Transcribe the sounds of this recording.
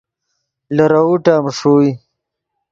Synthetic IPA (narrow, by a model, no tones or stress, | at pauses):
lɐɾauʈamʂui